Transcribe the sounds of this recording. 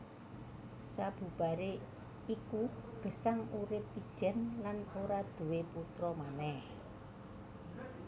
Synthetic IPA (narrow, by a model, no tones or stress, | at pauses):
sab̥ṳb̥a̤ɾe | ikuɡ̥ə̤saŋuɾɪp̚id̥ʒ̥ɛ̤nlanoɾad̪̥ṳweput̪ɾɔmanɛh